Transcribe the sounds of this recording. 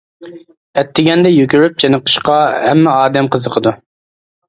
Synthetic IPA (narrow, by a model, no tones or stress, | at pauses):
ɛt̪ʰːɪɡʲɛnd̪ɛjykʲyɾyp̚t͡ʃʰenəqʰə̥ʃqɑhɛmːɪɑːd̪ɛmqʰəzəqʰəd̪u